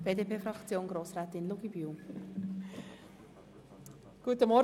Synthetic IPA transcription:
b̥eːdepʰeːfrɑkt͡sjoːnɡɾoːsɾɛːt̪ɪnluɡ̥ibyw | ɡ̥uətəmɔ

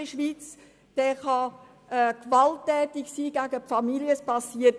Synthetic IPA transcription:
əʃʋiːt͡s | d̥ɛːχɑ | ɛkvɑltːɛːtɪksiːɡæɡəpfɑmiljəspɑsiət

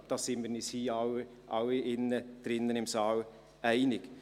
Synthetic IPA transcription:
d̪ɑːsɪməɾnishiːɑw | ʔɑwɪnːəd̪̥ɾɪnːənɪmsɑw | æɪnɪk

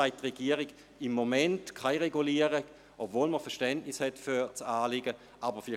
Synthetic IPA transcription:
aɪtʁeɡ̥iəʁɪɡ | ɪmːomɛntkʰaɪʁeɡuliəʁə | ʔopvoːlməfɛɐʃtɛntnɪshɛtfyt͡saːlɪɡə | ʔabəʁfɪlɪ

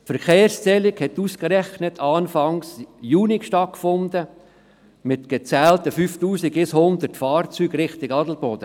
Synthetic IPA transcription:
fəɾkeːrst͡sɛlɪkhɛtuːskɾɛχnətʰɑːnfɑŋsjuːnikʃtɑt̚kfʊnd̪ə | mɪtɡ̥et͡sɛːltəfyːftuːsiɡɪshʊnd̪ətfɑːɾt͡syːɡɾɪχtɪɡɑdl̩bɔd̥ə

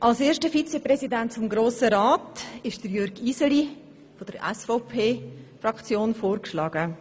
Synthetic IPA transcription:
ʔɑlseːʃtəfit͡sɛprɛzidɛntfʊmɡɾoːsəɾaːtɪʃd̥əɾjøɾɡiːzəli | fod̥əɾɛ̰sfɔʊpʰeːfrɑkt͡sjoːnfoːɾkʃlɑːɡ̥ə

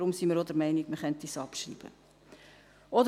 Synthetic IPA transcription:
ɾʊmsiməɾodəɾmɛɪniɡməχɛntiːsɑpʃrḭːb̥ə̰ | ɔd

